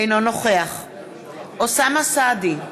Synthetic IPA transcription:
jnonoχeaχ | ʔosamasad̪i

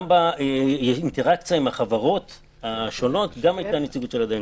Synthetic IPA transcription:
baejeinte̞ʁakt͡sjaimhaχavaʁo̞t | haʃo̞no̞t̪ɡamajt̪anet͡siɡutʃe̞lad̪a

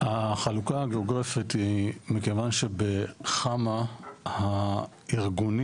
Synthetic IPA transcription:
haχalukahaɡeoɡʁafithimikevanʃe̞beχamaha | iʁɡun

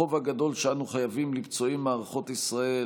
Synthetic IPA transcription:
o̞vhaɡad̪o̞lʃeanuχajavimlibt͡so̞imːaːʁaχo̞t̪isʁae

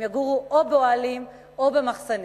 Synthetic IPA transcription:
jaɡuʁuʔobeoalim | o̞be̞maχsan

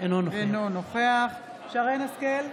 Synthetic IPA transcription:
enonoenonoχeaχ | ʃaʁenaskel

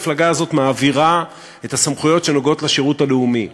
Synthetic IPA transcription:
flaɡaːzo̞tmaːviʁa | etasamχujo̞tʃe̞no̞ɡo̞tleʃeʁuthaleumi

